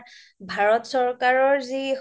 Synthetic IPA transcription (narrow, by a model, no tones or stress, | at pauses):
bʱaɹɔtsɔɹkaɹɔɹzi